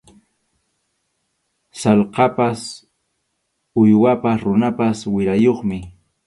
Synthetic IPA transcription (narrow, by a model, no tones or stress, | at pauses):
sɑlqɑpas | ʊjwapaɾʊnapaswɪɾajoχmɪ